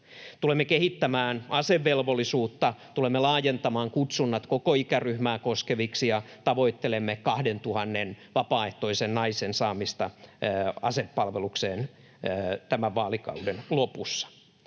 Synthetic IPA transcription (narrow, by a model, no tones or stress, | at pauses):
t̪ulemːekehit̪ːæmæːnɑseʋːelʋolːˑisuːt̪ːɑt̪ulemːelɑːjent̪ɑmɑːŋkut̪sunːɑt̪kokoikæryhmæːkoskeʋiksijɑt̪ɑʋoit̪ːelemːekɑhdent̪uhɑnːenʋɑpɑːeht̪oisennɑisensɑːmist̪ɑ | ɑ̰sepːɑlʋelukseːnː | t̪æmæʋʋɑːlikɑ̰udenlopusːɑ̥